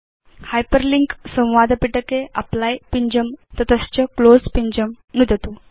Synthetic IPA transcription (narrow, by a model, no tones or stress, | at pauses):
hajpəɾliŋksə̃w̃ʋad̪piʈəkeʔa̰plajpiɲd͡ʑəmt̪ət̪əst͡ɕəklod͡zpiɲd͡ʑəm | nud̪ʱət̪u